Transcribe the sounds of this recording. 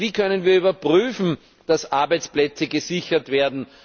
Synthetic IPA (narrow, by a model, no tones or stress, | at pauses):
viːkʰœnənviːɐybɐpʁyːfn̩ | d̥asʔaɐbæɪt͡splɛt͡səɡəzɪçɐtveːɐdn̩